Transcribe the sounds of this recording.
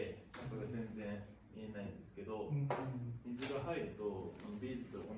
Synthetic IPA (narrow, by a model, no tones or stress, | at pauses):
enakoɡazẽ̞nd͡zẽ̞ɰ̃ | mie̞naĩnd̪e̞sɨ̥ke̞d̪o̞ | mʲizɨɡaɦaiɾɯ̟t̪o̞so̞nobʲiːzɨt̪oon